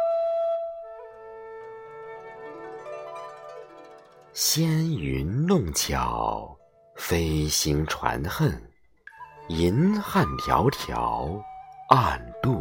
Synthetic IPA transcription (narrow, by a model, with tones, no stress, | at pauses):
ɕjɛ˥ny˧˥nnʊ˥˩ŋt͡ɕʰjɑ˨˩ʊ | fe˥ɪɕi˧˥ŋʈ͡ʂʰwa̰˧˥nxə˥˩n | i˧˥nxa˥˩nt̪ʰjɑ˧˥ʊt̪ʰjɑ˧˥ʊa˥˧nt̪u˥˩